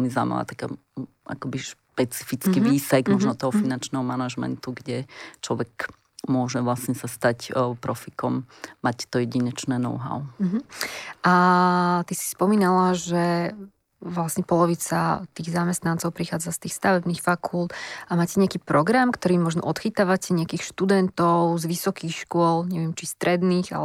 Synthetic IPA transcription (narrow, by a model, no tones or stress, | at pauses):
ɛlmiza̰ːma̰la̰ːt̪ḁka̰ | a̰kɔbiʃpɛt͡si̥fit͡skiʋiːsɛɡmɔʒnɔt̪ɔɦɔfinant͡ʃnɛːɦɔmanaʒmɛ̰nt̪uɡɟɛt͡ʃlɔ̰ʋɛk | mʊɔʒɛʋlasɲɛsast̪acpɾɔfikɔmːact̪ɔjɛɟiɲɛt͡ʃnɛːnɔ̰ʊɦa̰ʊɦ̩ʔat̪isi̥spɔmiːnalaʒɛ | ʋlasɲɛpɔlɔʋit͡sat̪iːɣzamɛst̪nant͡sɔʊpɾixaːd͡zast̪iːxst̪aʋɛbniːxfakʰult̪ʔamaːcɛɲɪakiːpɾɔɡɾamkt̪ɔɾiːmɔʒnɔ̰ʔɔt̪xit̪aːʋacɛɲɪakiːxʃt̪ud̪ɛnt̪ɔʊzʋisɔkiːxʃkʊɔlɲɛʋɪɛmt͡ʃist̪ɾɛd̪niːɣa̰